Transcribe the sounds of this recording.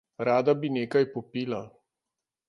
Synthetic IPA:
ɾaːd̪abineːkajpɔpiːla

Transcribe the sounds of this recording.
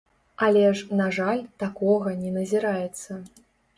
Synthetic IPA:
alʲɛʂnaʐalʲt̪akɔɣɐnʲɛnɐzʲiɾajɛt̪sːɐ

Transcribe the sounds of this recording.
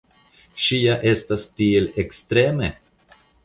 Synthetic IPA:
ɕiːaʔɛst̪ast̪iːlɛkst̪ɾeːmə

